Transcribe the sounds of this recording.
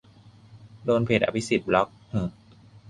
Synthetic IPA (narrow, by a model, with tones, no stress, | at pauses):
doː˧npʰeː˨˩t̪ʔa̰˧˩pʰi˦˥si˨˩t̪̚blɔ˦˥k̚hɯ˧˩